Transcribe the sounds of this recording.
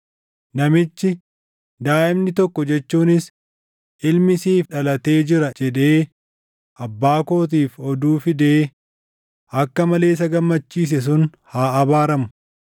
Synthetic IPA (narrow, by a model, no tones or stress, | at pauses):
nɐmɪt͡ʃːɪ | d̪aːʔɪbnɪt̪ɔkːɔd͡ʒɛt͡ʃːuːnɪs | ʔɪlmɪsiːfᶑɐlɐt̪e̞ːd͡ʒɪɾɐd͡ʒɛᶑe̞ː | ʔɐbːaːko̞ːt̪̬iːfɔd̪uːfɪd̪e̞ː | ɐkːɐmɐle̞ːs̬ɐɡɐmːɐt͡ʃːiːs̬ɛs̬ʊnhaːɐbaːɾɐmʊ̥